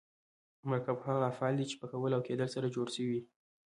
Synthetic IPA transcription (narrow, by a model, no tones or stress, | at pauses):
maɾkabhadafɑld̪it͡ʃe̥pəkawəlawked̪əlsaɾad͡ʒoɽʃəwi